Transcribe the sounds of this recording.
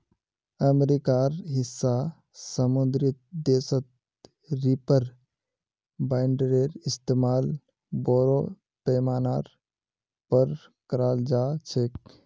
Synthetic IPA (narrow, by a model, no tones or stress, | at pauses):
əmɾikaːɾɦɪsːa | səmʊnd̪ɾɪt̪̚d̪eːsət̪ | ɾipəɾ | baːɪɳɖəɾeɾɪst̪eːmaːl | boːɾo | peːmaːnaːɾ | pəɾ | kəɾaːld͡ʒaːt͡ʃʰeːk̚